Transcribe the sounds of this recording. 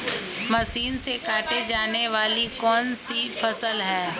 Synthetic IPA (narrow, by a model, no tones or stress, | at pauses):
mɐsiːnsekaːʈed͡ʒaːneʋaːlikɔːnsifʰɐsəlɦɛː